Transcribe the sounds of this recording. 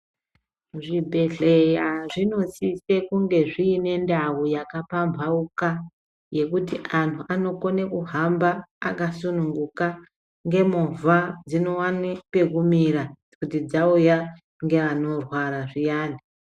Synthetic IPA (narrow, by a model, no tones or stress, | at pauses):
ʐibʱe̞ɬe̞jaʐino̞sise̞kuŋɡe̞ʐiːne̞ndawujakapambʱauka | je̞kutiʔantʰuʔano̞ko̞nekuɦambaːkasunuŋɡuka | ŋɡe̞movad͡zino̞wanepe̞kumiɾa | kutid͡zauja | ŋɡe̞ʋano̞rwaɾaʐijaːni